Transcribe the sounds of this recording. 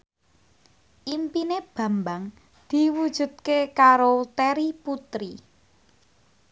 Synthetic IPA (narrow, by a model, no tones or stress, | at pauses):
ʔimpineb̥a̤mbaŋ | d̪̥i̤wud̥ʒ̥ṳd̪̚kekaɾot̪eɾiput̪ɾi